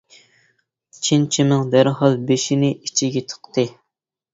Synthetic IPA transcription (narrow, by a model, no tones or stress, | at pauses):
t͡ʃʰint͡ʃʰimɨŋd̪æɾɦɑlˠbeʃinɪit͡ʃʰiɡʲet̪ʰə̥qt̪ɨ